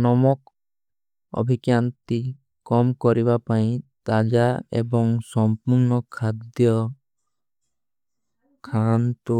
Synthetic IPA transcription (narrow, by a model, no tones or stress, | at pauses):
nɔmɔk̚ | ɔ̰bʱikjant̪i | kɔmkɔɾibapaĩt̪ad͡ʒaḛbɔŋsɔmpuɾnɔkʰad̪jɔ | kʰant̪u